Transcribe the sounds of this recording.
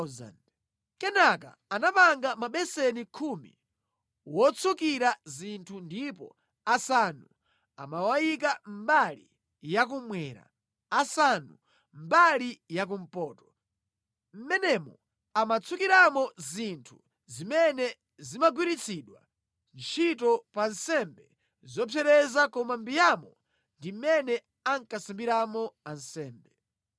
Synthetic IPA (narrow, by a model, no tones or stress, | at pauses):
za̰n | kɛnaka̰ | anapaŋɡamaɓɛsɛnikʰumḭ | wɔt͡sʰukiɾazintʰundipɔ̰ | asanu | a̰mawajik̬ambalḭ | jak̬umwɛɾa̰ | asanu | m̩balijak̬um̩pɔːtɔ̥ | m̩mɛnɛmɔ̰ | amat͡sʰukiɾamɔzintʰu | zimɛnɛ | zimaɡwiɾit͡sʰiɗwa̰ | nt͡ʃʰitɔpansɛmbɛ | zɔpʰɛɾɛzakɔmambijamɔ | ndimɛnɛ | aŋkasambiɾamɔansɛːmbɛ